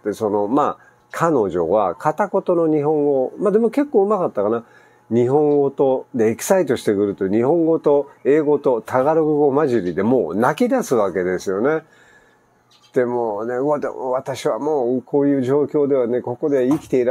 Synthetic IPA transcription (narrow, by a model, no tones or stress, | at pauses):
t̪eso̞no̞ma | kʰano̞ʑo̞βa̰kʰat̪ako̞t̪o̞no̞ɲ̟iɦõ̞ŋɡo̞mad̪e̞moke̞kːoːɯ̟makat̪ːakana | ɲ̟iɦõ̞ŋɡo̞t̪o̞d̪e̞ːki̥sait̪o̞ɕi̥t̪e̞kɯ̟ɾɯ̟t̪oɲ̟ihõ̞ŋɡo̞t̪o̞e̞ːɡo̞t̪o̞t̪aɡaɾɯɡɯ̟ɡo̞maʑɨɾʲid̪e̞mo̞ːnakʲid̪asɨβake̞d̪e̞sɨjo̞ne̞ | d̪̥e̞moːne̞ad̪ḛmoβat̪aɕiβamo̞ːkʰo̞ːjɯ̟ːʑo̞ːkʲo̞ːd̪e̞β̞ane̞ko̞ko̞d̪e̞ikʲi̥t̪eiɾ